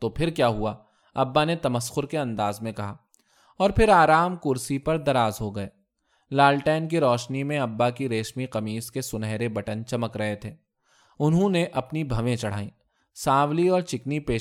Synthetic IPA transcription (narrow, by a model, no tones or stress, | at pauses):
t̪opʰɪɾkjaːɦua | ɐbːanet̪ɐməsxʊɾkeɐ̃nd̪aːzmẽkɐɦaː | ɔːɾpʰɪɾaːɾaːmkʊɾsipɐɾd̪ɐɾaːzɦoɡɐeː | laːlʈɛːnkiɾɔːʃnimẽɐbːakiɾeːʃmiqɐmiːskesʊnɛɦɾebɐʈənt͡ʃɐməkɾɐɦet̪ʰeː | ʊnɦõneʔɐpnibʱɐʋẽt͡ʃɐɽ̤aːĩː | saːʋliɔːɾt͡ʃɪknipeː